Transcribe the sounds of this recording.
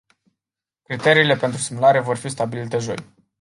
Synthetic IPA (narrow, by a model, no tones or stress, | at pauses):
kɾit̪e̞ɾiːle̞pe̞nt̪ɾusimulaɾe̞vo̞rfist̪abilit̪e̞ʒo̞̰j